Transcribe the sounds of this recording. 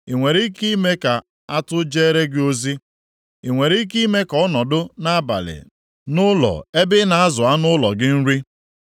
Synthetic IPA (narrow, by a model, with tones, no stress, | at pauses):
i˨ŋʷe˨ɾi˦ki˦me˦ka˨ | a˦tʊ˦d͡ʒe˦ɾe˦ɡɪ˦o˦zi˦ | i˨ŋʷe˨ɾi˦ki˦me˦kɔ˦nɔ˨dʊ˦na˦a˦ba̰˨lɪ̰˨ | nʊ˦lɔ̰˨e˦bɪ˦na˨a˦zʊ˨a˦nʊ˦lɔ̰˨ɡɪ˦n̩˦ɾi˦